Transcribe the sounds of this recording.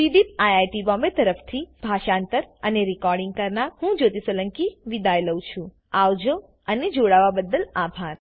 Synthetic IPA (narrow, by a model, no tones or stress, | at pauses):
sid̪ip̚ajajʈibɔ̃mbet̪əɾəft̪ʰib̥ʱaʃant̪əɾəneɾikɔɾɖĩŋɡ̚kəɾnahũd͡ʒot̪isələŋkiʋid̪ajləwt͡ʃʰũ | aʋd͡ʒo | əned͡ʒoɽaʋabəd̪əlabʱaɾ